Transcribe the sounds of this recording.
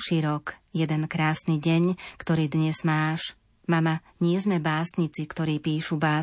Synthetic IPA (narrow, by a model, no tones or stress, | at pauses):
ʃiːɾɔkjɛd̪ɛnkɾaːsniːɟɛɲkt̪ɔɾiːd̪ɲɛz̥maːʃ | mama | ɲɪɛzmɛbaːsɲit͡sikt̪ɔɾiːpiːʃubaː